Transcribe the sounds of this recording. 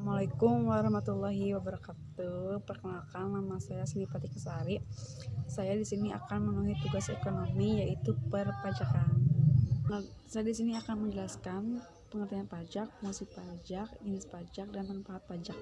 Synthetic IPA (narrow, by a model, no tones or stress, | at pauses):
amualakʊmwaɾɑhmat̪ulːaɦiwabəɾakat̪uhpərkənalkanlamasajasənipat̪ikəsaɾi | sajadisinia̰kanmənuɦit̪uɡasekonomijaʔit̪upərpad͡ʒakan | sajadisiniakanməɲd͡ʒəlaskan | pəŋərt̪ianpad͡ʒak̚əmasipad͡ʒak̚d͡ʒinɪspad͡ʒak̚dant̪aŋpaɦat̪̚pad͡ʒak̚